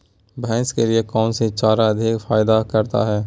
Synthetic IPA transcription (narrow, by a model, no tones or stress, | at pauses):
bɛ̃ːskeliekɔːnset͡ʃaːɾaɐd̪ʱɪkfaːɪd̪akɐɾt̪a̰ɦɛː